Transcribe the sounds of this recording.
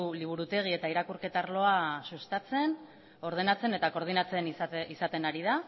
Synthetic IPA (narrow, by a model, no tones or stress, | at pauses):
liβ̞uɾut̪e̞ɣ̞ie̞t̪aiɾakuɾke̞t̪aɾlo̞asust̪at͡se̞n | o̞ɾð̞e̞nat͡se̞ne̞t̪ako̞ɾð̞inat͡se̞niisat̪e̞naɾiða